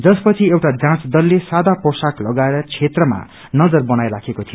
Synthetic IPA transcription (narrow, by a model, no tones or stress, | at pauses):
d͡zʌspʌt͡sʰiewʈad͡zãt͡sd̪ʌlːesad̪aposaklʌɡaeɾʌt͡sʰet̪rʌma̰ | nʌd͡zʌrbʌnajɾakʰekot̪ʰijo